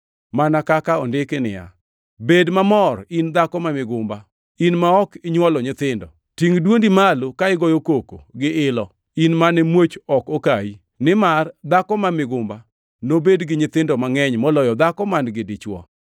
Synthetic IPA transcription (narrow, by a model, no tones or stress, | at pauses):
manakakaɔndɪkenɪ̰ja̰ | bedmamɔrind̪akɔmamɪɡʊmba | inmaɔkɪɲwɔlɔɲɪt̪ɪndɔ̰ | tiŋdwondimalokaɪɡɔjokoko̰ɡɪɪlɔ | inmanɛmwot͡ʃɔkokai | nɪmard̪akɔmamɪɡʊmba | nobedɡɪɲɪt̪ɪndɔmaŋɛɲmɔlɔjɔd̪akɔmanɡɪdɪt͡ʃwɔ̰